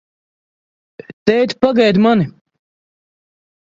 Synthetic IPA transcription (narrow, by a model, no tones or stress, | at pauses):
t̪ɛjt̪paɡajd̪mani